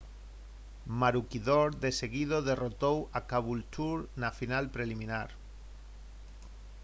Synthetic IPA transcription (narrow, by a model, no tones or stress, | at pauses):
maɾukiðoɾðe̞seɣiðoðe̞rot̪owakaβult̪uɾnafinalpɾelimĩnaɾ